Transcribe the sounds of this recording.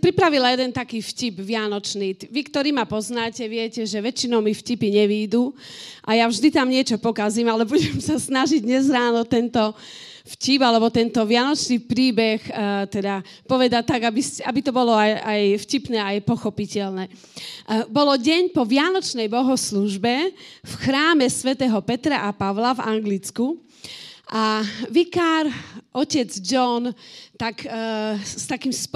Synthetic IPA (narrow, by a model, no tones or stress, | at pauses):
pɾipɾaʋilajɛd̪ɛnt̪akiːfcibʋɪanɔt͡ʃniːʋikt̪ɔɾiːmapɔznaːcɛʋɪɛcɛʒɛʋɛt͡ʃinɔʊmifcipiɲɛʋiːd̪uʔajavʒd̪it̪amɲɪɛt͡ʃɔpɔkaziːmalɛbuɟɛmsasnaʒiɟ̚ɲɛzɾaːnɔt̪ɛnt̪ɔ | fcibalɛbɔt̪ɛnt̪ɔʋɪanɔt͡ʃniːpɾiːbɛxt̪ɛd̪apɔʋɛd̪at̪aɡabiscɛa̰bit̪ɔbɔlɔajajfcipnɛːajpɔxɔpicɛlnɛː | bɔlɔɟɛɲpɔʋɪanɔt͡ʃnɛjbɔɦɔsluʒbɛfxɾaːmɛsʋɛt̪ɛːɦɔpɛt̪ɾaʔapaʋlava̰ŋɡlit͡sku | ʔaʋikaɾʔɔcɛd͡zd͡ʒɔnt̪ak | st̪akiːmsp